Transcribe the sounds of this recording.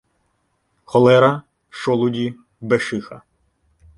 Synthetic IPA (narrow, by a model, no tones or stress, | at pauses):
xɔlˠɛɾɐ | ʃɔlˠʊdʲi | beʃɪxɐ